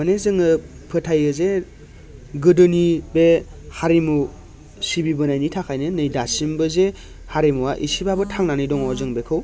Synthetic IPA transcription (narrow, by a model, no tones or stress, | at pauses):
anezɯŋɯ | pʰɯtʰajɡɯze | ɡɯdɯnibe | haɾimu | sibibɯnajnitʰakʰajnɯnɯjdasimbɯze | haɾimuwaʔisibabɯtʰaŋnanɯjdɔŋɔzɯŋbekʰɯw